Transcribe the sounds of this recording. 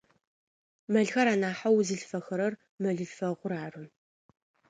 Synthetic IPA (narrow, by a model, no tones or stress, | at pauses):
mɐɮxɐɾaːnaːħawzɨɮfɐxɨɾɐr | mɐɮɨɮfɐʁʷʊɾaːrɨn